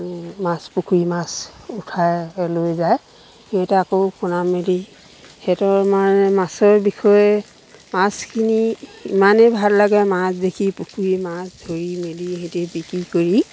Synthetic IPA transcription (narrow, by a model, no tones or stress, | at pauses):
mãspukʰuimasutʰajlojzaj | eɛtɛakokʊnameli | hɛtɔmamasɔɹbixʰɔjɛ | maskʰiniimanebʱallaɡɛmasdekʰipukʰuimasdʱoɹimeliɦetebikɹikoɹi